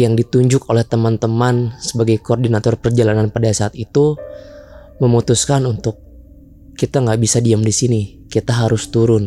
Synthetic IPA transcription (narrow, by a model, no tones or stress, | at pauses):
jaŋdit̪uɲd͡ʒʊkolɛht̪əmant̪əmansəbaɡajkoɔrdinat̪ɔrpərd͡ʒalananpadasaːt̪it̪u | məmut̪uskanunt̪ʊk̚ː | it̪aŋɡaʔbisadiamdisini | kit̪aɦaɾʊst̪uɾʊn